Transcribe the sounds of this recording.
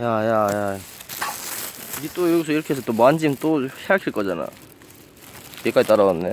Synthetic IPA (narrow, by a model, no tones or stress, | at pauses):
jajaja | it͈ojoɡisʰʌiɾʌkʰees̬ʰʌt͈omand͡ʑimt͈ohʰeɡakʰiɭk͈ʌd͡ʑana̰ | jekad͡ʑit͈aɾaɡanːe